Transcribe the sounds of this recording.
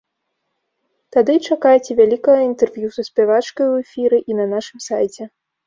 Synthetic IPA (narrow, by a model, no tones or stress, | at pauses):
t̪ad̪ɨt͡ʂakajt͡sʲɛvʲalʲikɐɣɐint̪ɛrvjusɐsʲpʲɛvat͡ʂkɐjwɛfʲiɾɨʔinɐnaʂɨmsajt͡sʲɛ